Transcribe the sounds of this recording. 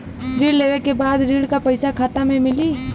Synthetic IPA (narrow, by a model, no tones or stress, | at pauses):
ɾiːɽleːʋekebaːd̪ɾiːɽkapɐɪsakʰaːt̪amẽmɪliː